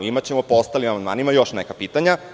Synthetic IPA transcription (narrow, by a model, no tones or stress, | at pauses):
imat͡ɕemo̞poost̪alimamand̪ma̰ːnimajo̞ʃnekapiːt̪aɲa